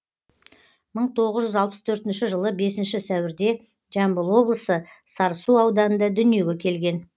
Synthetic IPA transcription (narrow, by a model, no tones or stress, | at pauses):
məɴt̪ʰo̞ʁəzʒʏzɑlˠpə̥st̪ʰɵɾt̪ɪnʃɪʒəlˠəbe̞sɪnʃɪsæwɪɾd̪e̞ | ʒɑmbəlˠwo̞blˠəsəsɑɾəsuɑwd̪ɑnənd̪ɑd̪ʏnije̞ɡʲe̞kʲʰe̞lɡʲe̞n